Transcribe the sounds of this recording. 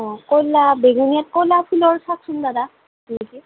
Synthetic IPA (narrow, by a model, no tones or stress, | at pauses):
ɔ̃kojlabeɡunijat̚kojlapʰilɔɹsak̚sʊndada | neki